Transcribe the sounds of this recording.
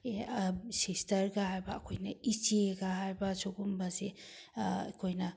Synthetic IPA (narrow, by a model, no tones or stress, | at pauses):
sestɐɾɡahajbɐːkʰojnɐit͡ʃieɡaɦajbɐsoɡumbɐze | ɐ̰kʰojnɐ